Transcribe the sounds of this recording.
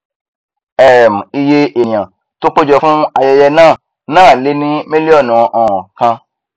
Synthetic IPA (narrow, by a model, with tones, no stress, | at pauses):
ɛ˨ɾɛ˨m̩˨i˧je˧ʔẽ˨ã˨ | to˦k͡po˦d͡ʒɔ˧fũ˦a˧jɛ˧jɛ˧nãː˦˨ | nãː˦˨le˨˦nĩ˦mĩ˦li˦ɔ˦˨nũ˨ʔɔ̃˨ɔ̃˨kã˧